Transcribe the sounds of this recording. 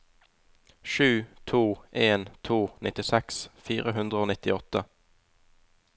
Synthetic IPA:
ʃʉːt̪ʰuːʔeːnt̪ʰuːnʔɪt̪ɪsɛksfiːʁəɦʉnd̪ʁəoːnɪt̪ɪɔt̪ə

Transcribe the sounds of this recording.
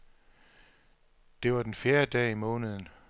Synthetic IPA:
d̥e̝ʋɑ̈d̥enfjeːɐd̥ɛ̰ːimɔ̽ːnəð̞̩ˠn̩

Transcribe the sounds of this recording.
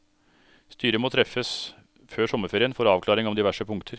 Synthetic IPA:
st̪yːɾəmoːt̪ʰɾɛfːəs | føːʂɔməɾfeːɾɪənfoːɾɑːʋkʰlɑːɾɪŋɔmd̪ɪʋæʂəpʊŋkt̪ʰəɾ

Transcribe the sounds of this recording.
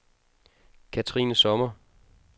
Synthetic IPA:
kʰæt͡sʰʁḭːnəsɒ̽mɐ

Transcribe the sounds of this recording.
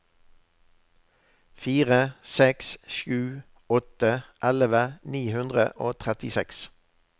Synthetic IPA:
fiːʁəsɛksʃʉː | ɔt̪əʔɛləʋəniːhʉnd̪ʁə̰ʔoːt̪ʰʁɛt̪ɪsɛks

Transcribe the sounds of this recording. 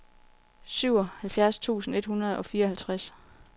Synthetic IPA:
syʊ̰ɒ̽hælfjæɐst͡sʰṵːsn̩e̝d̥hunɐð̞̩ˠɒ̽fiːɐɒhælt͡sʰʁas

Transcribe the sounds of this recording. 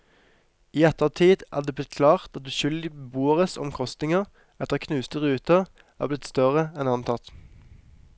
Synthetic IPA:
iːɛt̪əʁt̪ʰiːd̪ʔæ̰ːd̪eːblɪt̪̚kʰlɑːʁt̪ɑt̪̚d̪ʉːʃʏld̪ɪbəbuːəʁəsɔ̰mkʰʁɔst̪nɪŋəʁ | ɛt̪əʁkʰnʉːst̪əʁʉːt̪əʁ | æːʁblɪt̪st̪œʁəɛnɑnt̪ʰɑt̪

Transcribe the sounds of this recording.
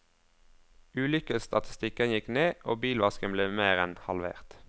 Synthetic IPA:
ʉːlʏkəst̪ʰɑt̪ʰɪ̥st̪ɪkənjɪkneːʔoːbiːlʋɑskənbleːmeːʁɛnhɑlʋḛːʁt̪

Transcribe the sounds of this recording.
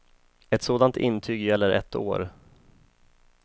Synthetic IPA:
ɛt̪soːd̪ant̪ʰɪnːt̪ʰyːɡjɛlːəɾʔɛ̰t̪ʰːo̰ːɾ

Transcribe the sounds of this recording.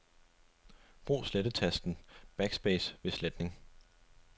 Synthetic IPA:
b̥ʁṵːsleɾ̥ət͡sʰæsd̥n̩b̥æɡ̥sb̥eːsʋe̝sled̥ne̝ŋ

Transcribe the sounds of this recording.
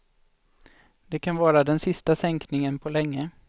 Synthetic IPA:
d̪̥ɛkʰanvɑːɾad̪ɛnsɪst̪asɛŋknɪŋənpʰɔlɛŋːə

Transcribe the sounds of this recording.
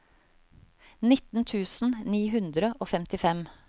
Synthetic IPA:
nɪt̪n̩t̪ʰʉːsn̩niːɦʉnd̪ɾəʔoːfɛmt̪ɪfɛm

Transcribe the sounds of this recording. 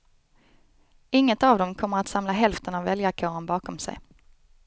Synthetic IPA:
ɪŋːət̪avd̪ɔmkʰɔmːəɾat̪samlaɦɛlft̪ənavɛljakʰoːɾənbɑːkɔmsɛ̰j

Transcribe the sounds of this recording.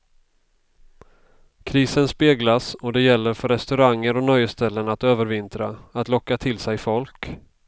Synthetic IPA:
kʰɾiːsənspeːɡlasɔd̪ɛjɛlːəɾfœɾɛst̪ɵɾaŋːəɾɔnœjəst̪ɛlːənat̪øːvəɾvɪnt̪ɾa̰at̪lɔkːat̪ʰɪlsɛjfɔlk

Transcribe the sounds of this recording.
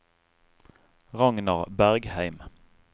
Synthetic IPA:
ʁɑŋnɑʁbæʁɡhæɪm

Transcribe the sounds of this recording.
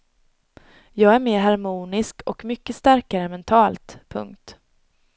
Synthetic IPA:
jɑːɡæɾmeːɾɦaɾmuːnɪskʰɔkmʏkːəst̪æɾkaɾəmɛnt̪ʰɑːlt̪pʰɵ̰ŋkt̪

